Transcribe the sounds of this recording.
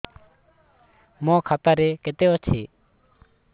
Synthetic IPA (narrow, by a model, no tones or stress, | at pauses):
mɔ̃kʰat̪aɾɛket̪eɔt͡ʃʰi